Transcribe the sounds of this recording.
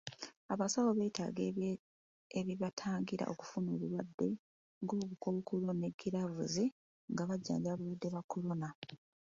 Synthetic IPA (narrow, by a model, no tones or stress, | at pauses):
aβasawoβe̞ːta̰ːɡe | eβiβatʰaːŋɡiɾa̰ʔo̞̰ku̥funoβulwadːe̞ | ŋɡoːkukokuloneɡːiɾavṵzi | ŋɡaβaɟːa̰ːɲɟaβuwadːe̞βako̞lo̞na